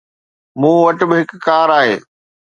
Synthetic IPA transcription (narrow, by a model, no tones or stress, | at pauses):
mũːʋɐʈɪ̆bɪɦɪkːaːɾaːɦḛː